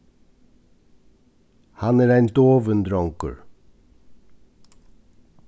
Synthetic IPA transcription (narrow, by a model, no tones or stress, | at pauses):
hɑnæːɾæɪnd̪oːʋənd̪ɾɔŋkə̰ɹ